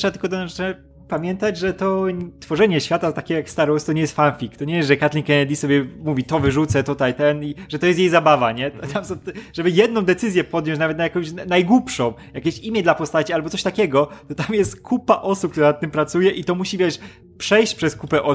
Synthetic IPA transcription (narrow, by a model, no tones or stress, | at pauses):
ʂɛat̪ɘlkɔd̪ɔnɔ | pamʲjɛnt̪ad͡ʑʐɛt̪ɔt̪fɔʐɛɲɛɕfʲjat̪at̪akʲɛjakst̪aɾɔwst̪ɔɲɛjɛst̪fanfʲikt̪ɔɲɛjɛsʐɛkat̪lʲikɛnɛd̪ʲisɔbʲjɛmuvʲit̪ɔvɘʐut̪sɛt̪ut̪ajt̪ɛniʐɛt̪ɔjɛst̪jejtzabavaɲɛt̪t̪amsɔ̃t̪ʐɛbɘjɛd̪nɔ̃w̃d̪ɛt̪sɘzʲjɛpɔd̪njɔ̃ɲt͡ɕ̬navɛt̪najakɔ̃w̃ɕnajɡwupʂɔ̃w̃jakʲeɕimʲjɛd̪lapɔst̪at͡ɕialbɔt̪sɔɕʲt̪akʲɛɡɔt̪ɔt̪amjɛst̪kʰupaʔɔsupk̚t̪uɾanat̪ːɘmpɾat̪sujɛʔit̪ɔmuɕivʲjɛʂ | pʂɛjɕt͡ɕpʂɛskupɛʔɔ